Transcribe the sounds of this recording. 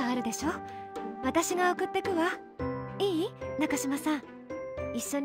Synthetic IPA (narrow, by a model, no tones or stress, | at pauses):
aːɾɯ̟d̪e̞ɕo̞ːβat̪aɕiɡao̞kɯ̟t̪ːe̞kɯ̟βa | iːnakaɕimasãɴ | iɕːo̞ɲ